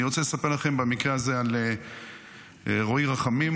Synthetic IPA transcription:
iʁo̞t͡selesapeʁlaχe̞mbamikʁeazeal | ʁoiʁaχamim

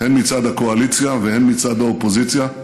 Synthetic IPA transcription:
hɛmit̪sad̪akoaliːt̪sijaʋɛhɛmit̪sad̪aopoziːt̪sija

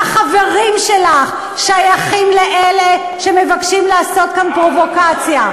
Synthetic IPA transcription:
aχave̞ʁimʃe̞laχ | ʃajaχimleʔele | ʃe̞me̞vakʃimlaaso̞t̪̚kanpʁo̞vo̞kat͡sja

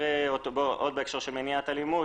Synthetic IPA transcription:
eot̪oboʔod̪beekʃaʁʃemeniat̪alimu

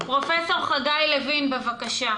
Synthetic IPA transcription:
pʁo̞feso̞ʁχaɡajlevinbevakaʃa

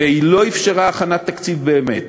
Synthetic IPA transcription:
eilo̞ifʃeʁaːχanat̪ːakt͡sivbe̞ːmet̪

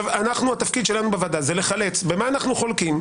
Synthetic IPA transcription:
vanaχnuat̪afkid̪ʃe̞lanubevad̪azele̞χale̞t͡sbe̞maːnaχnuχo̞lkim

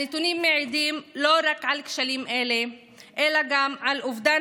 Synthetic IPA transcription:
et̪unimːeʕid̪imlo̞ɾakʕalkʃalimʔele | ʔelaɡamʕalʔuvd̪a

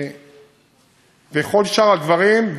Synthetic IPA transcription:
veχo̞lʃaʁad̪vaʁimv

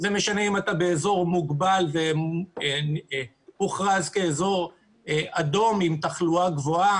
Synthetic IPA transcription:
zeme̞ʃaneimatabe̞ezo̞ʁmuɡbalve̞ | muχʁazkeezo̞ʁ | eado̞mimtaχluaɡvo̞a

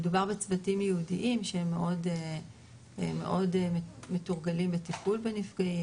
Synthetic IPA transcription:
edubaʁbet͡svatimjeudiʔimʃeemːeʔo̞de | emːe̞̰ʔo̞demetuʁɡalimbetipulbenifɡai

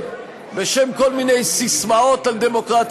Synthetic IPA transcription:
beʃemko̞lminejsismao̞t̪ald̪emo̞kʁat̪

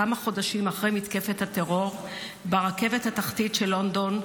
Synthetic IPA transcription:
amaχo̞daʃimaχʁejmit̪ke̞fethat̪e̞ʁo̞ʁ | beʁake̞vethataχt̪itʃelo̞ndo̞n

